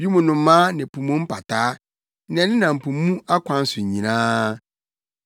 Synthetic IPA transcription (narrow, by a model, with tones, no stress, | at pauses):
i˦mũ˨nʊ̃˨˦mãː˦nɪ̃˨pʰu˨mũ˦m̩˦pʰa˨tʰaː˦ | n˨ɛ̃˨˦nɪ̃˦nã˨m̩˨pʰũ˨m˦mũ˦a˦kʷʰã˨˦n̩˦sʊ˨ɲ˨ɲĩ˨nãː˦